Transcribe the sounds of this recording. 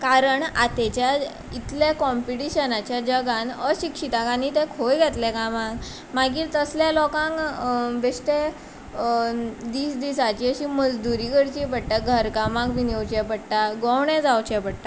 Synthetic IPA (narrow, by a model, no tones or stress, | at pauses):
kaɾəɳa̰t̪ɛt͡ɕja | it̪ljakɔmpiʈiɕənat͡ɕjad͡ʑəɡãnəɕikʂit̪akanit̪ɛ̃kʰojɡʱɛt̪lɛkamãŋɡ | maɡiːɾt̪əsljalɔkãŋkbeɕʈ̪e | d̪iːsd̪isat͡ɕiəɕiːməd͡zd̪uɾiːkəɽt͡ɕipəɽʈ̪aɡʱəɾkamãŋkʋinewt͡ɕɛpəɽʈaɡɔ̃wɳɛ̃d͡zawt͡ɕɛpəɽt̪a